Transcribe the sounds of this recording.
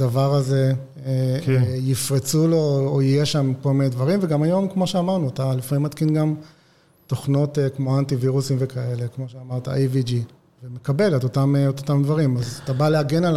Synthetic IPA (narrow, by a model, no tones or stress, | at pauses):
davaʁaze̞ | kjifʁit͡sulo̞ojijeʃamkolmined̪vaʁimveɡamajo̞mkmo̞ʃeamaʁnuatalifamimːat̪kinɡam | t̪o̞χno̞t̪ekmo̞antiviʁusimvekae̞le̞kmo̞ʃeamaʁt̪a̰ʔevid͡ʒi | vemekabe̞let̪otameot̪otamd̪vaʁimazat̪abaleaɡe̞nal